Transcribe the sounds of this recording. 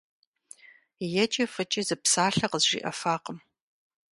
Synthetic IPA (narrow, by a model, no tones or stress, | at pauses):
jɛt͡ʃʼɐfɐt͡ʃʼizɨpsaːɬɐqəzʒḭːʔɐfaːqəm